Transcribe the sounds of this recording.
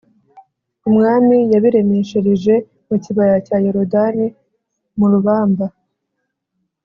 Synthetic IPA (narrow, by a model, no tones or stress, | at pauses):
umŋaːmijaβiɾemeʃeɾiʒe̞ | muciβajacaːjeɾo̞dani | muɾuβaːmba